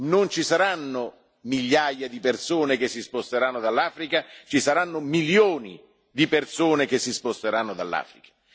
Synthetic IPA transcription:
nont͡ʃisaɾanːʊ | miʎːaːjad̪ipersoːnek̟esːispost̪eɾanːod̪alːaːfɾikat͡ʃisaɾanːʊmiljoːni | d̪ipersoːnekesːispost̪eɾanːod̪alːa̰ːfɾikḁ

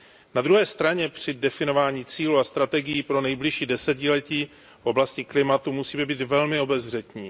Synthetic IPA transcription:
nad̪ɾuɦɛːst̪ɾaɲɛpr̝̥ɪdɛfɪno̞vaːɲiːt͡siːluast̪ɾat̪ɛɡɪjiːpɾo̞nɛjblɪʃiːdɛsɛcɪlɛciː | fʔo̞blascɪklɪmat̪umusiːmɛbiːt̪vɛlmɪo̞bɛzvr̝ɛt̪ɲiː

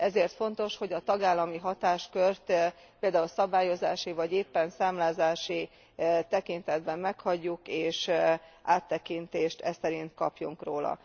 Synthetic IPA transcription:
ɛzeːrt̪fo̞nt̪o̞ʃho̞ɟɒt̪ɒɡaːlːɒmiɦɒt̪aːʃkørt̪ | peːld̪aːulsɒbaːjo̞zaːʃivɒɟeːpːɛnsaːmlaːzaːʃi | t̪ɛkint̪ɛd̪̚bɛmːɛkhɒɟːukeːʃʔaːt̪ːɛkint̪eːʃt̪ɛsɛɾint̪kɒpjuŋkroːlɒ̰

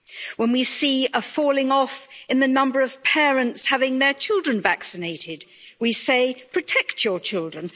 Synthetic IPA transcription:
wə̃nwisiəfɔlˠɪ̃ŋɔfɨ̃nðɨnʌ̃mbə˞ʌv̥pʰɛɹɨ̃ntshavɪ̃ŋðə˞t͡ʃʰɪlˠdɹɨ̃nvæksɨneɪɾɪd̚ | wiseɪpʰɹ̥ɨtʰɛkt͡ʃə˞t͡ʃʰɪlˠdɹɨ̃n

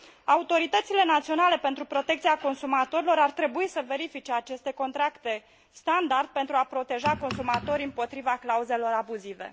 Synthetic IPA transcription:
aut̪o̞ɾit̪ət̪sile̞nat̪sio̞nale̞pe̞nt̪ɾupɾo̞t̪e̞k̚t̪siako̞nsumat̪o̞ɾilo̞ɾart̪ɾe̞buisəve̞ɾifit͡ʃe̞at͡ʃe̞st̪e̞ko̞nt̪ɾakt̪e̞ | st̪and̪ard̪̚pe̞nt̪ɾuapɾo̞t̪e̞ʒako̞nsumat̪o̞ɾiɨmpo̞t̪ɾivaklauze̞lo̞ɾabuzive̞̰

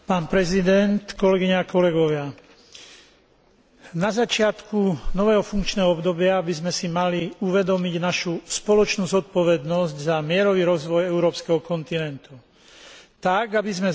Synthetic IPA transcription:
paːnpɾɛzid̪ɛnt̪kɔlɛɡiɲɛakɔlɛɡɔʋɪa | nazat͡ʃɪat̪kunɔʋɛːɦɔfuŋkt͡ʃnɛːɦɔɔbd̪ɔbɪabizmɛsimaliuʋɛd̪ɔmiɟnaʃuspɔlɔt͡ʃnuːzɔt̪̚pɔʋɛd̪nɔzɟzamɪɛɾɔʋiːɾɔzʋɔjɛuɾɔːpskɛɦɔkɔnt̪inɛnt̪u | t̪aɡabizmɛ

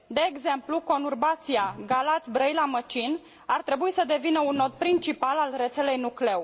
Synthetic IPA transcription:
d̪e̞ːɡze̞mpluko̞nurbat̪siaɡalat̪sʲbɾəjlamət͡ʃin | art̪ɾe̞buisəd̪e̞vinəunːo̞t̪̚pɾint͡ʃipalalre̞t̪se̞le̞jnukle̞w

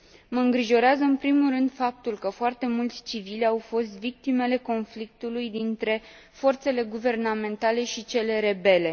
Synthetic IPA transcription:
məɨŋɡɾiʒo̞ɾeazəɨnpɾimulrɨnd̪fap̚t̪ulkəfoart̪e̞mult̪sʲt͡ʃivilʲawfo̞st̪vik̚t̪ime̞le̞ko̞nflik̚t̪ulujd̪int̪ɾe̞ | fo̞rt̪se̞le̞ɡuve̞rname̞nt̪ale̞ʃit͡ʃe̞le̞ɾe̞be̞le̞

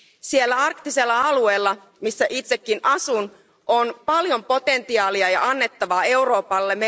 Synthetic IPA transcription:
sielːæɑrkt̪ise̞lːɑɑlue̞ːlːɑ | misːæʔit̪se̞kːinʔɑsun | ʔonpɑljo̞mpo̞t̪e̞nt̪iɑːliɑjɑɑnːe̞t̪ːɑʋɑːe̞wɾo̞ːpɑlːeme

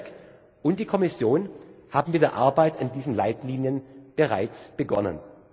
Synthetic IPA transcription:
k | ʔʊnt̚d̥iːkʰɔmɪsjoːnhaːbm̩mɪt̚d̥eːɐʔaɐbaɪtʰɪndiːzən̩la̰ɪtliːnjənb̥əʁa̰ɪt͡sb̥əɡɔ̰nə̰n

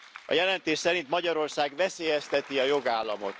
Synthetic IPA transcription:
ɒ̰jɛlɛnt̪eːʃsɛɾint̪mɒɟɒɾo̞rsaːɡvɛseːjɛst̪ɛt̪iɒjo̞ɡaːlːɒmo̞̰t̪

